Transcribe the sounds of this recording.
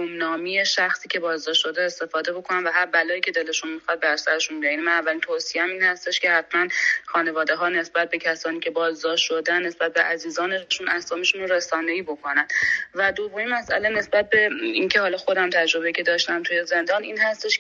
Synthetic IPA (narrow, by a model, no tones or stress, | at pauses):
omnɒːmije̞ʃæxsiːcʰʲe̞bɒːzd̪ɒːʃʃo̞d̪eest̪e̞fɒːd̪e̞bo̞kʰo̞nænvæɦæɾbælɒːiːcʰe̞d̪e̞le̞ʃunmixɒd̪̚bæɾsæɾe̞ʃunbijɒnmænævːælint̪ʰoːsijeæmiːnhæst̪e̞ʃcʲe̞hæt̪ʰmænxɒːne̞vɒːd̪e̞ɦɒːne̞sbæt̪̚be̞cʰæsɒːniːcʰʲe̞bɒːzd̪ɒːʃʃod̪ænːe̞sbæt̪̚beʔæziːzɒːneʃunæsɒːmiʃunoresɒːneiːbo̞kʰonænd̪væd̪o̞vːo̞mimæsʔæ̰le̞ne̞sbæt̪̚be̞incʰe̞ɦɒːlɒːxod̪æmt̪ʰæd͡ʒɾo̞be̞icʰe̞d̪ɒːʃt̪æmt̪ʰujeze̞nd̪ɒːniːnɦæst̪e̞ʃ